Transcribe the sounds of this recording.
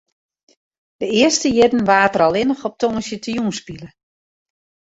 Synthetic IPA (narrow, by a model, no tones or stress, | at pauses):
dəɪəstəjɪdn̩ʋaːtəɾɔlˠɪnəxɔp̚tʰoŋəsjətʰəjuːnspilə